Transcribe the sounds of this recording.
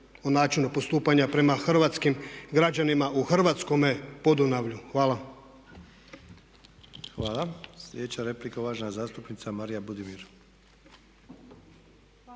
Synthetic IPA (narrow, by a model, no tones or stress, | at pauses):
onaːt͡ʃinupo̞st̪uːpaɲapɾe̞maxr̩ʋat̪skimɡɾad͡ʑanimaʔuxr̩ʋaːt̪sko̞me̞pod̪unaʋʎuxʋaːla | xʋaːlaslʲed̪et͡ʃaɾeplikoʋaʃnazaːst̪upnit̪samaɾijabud̪imiɾ